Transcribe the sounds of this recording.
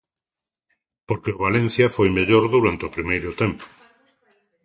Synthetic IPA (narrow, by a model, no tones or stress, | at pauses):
poɾkeʊβalẽn̟θjɐfojmeʎoɾðuɾant̪eʊpɾimejɾʊt̪empʊ̥